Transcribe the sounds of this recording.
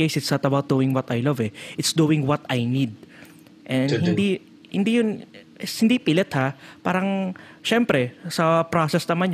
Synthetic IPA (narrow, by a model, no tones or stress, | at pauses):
ejsɪt̪sɐt̪ɐbawt̪̚d̪uːɪ̃ŋwɐt̪ɐjlɐvɛʔɪt̪sd̪uɪ̃ŋwɐt̪ajnid̪̚ | ʔɛnhɪnd̪i | hɪnd̪ijʊn | hɪnd̪ipɪlɛt̪hapaːɾɐŋʃɛmpɾɛsɐpɾosɛsnɐman